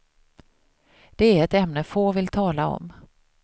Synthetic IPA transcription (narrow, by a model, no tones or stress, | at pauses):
d̪̥ɛæɾɛt̪ɛmnəfoːvɪlt̪ʰɑːlaɔ̰m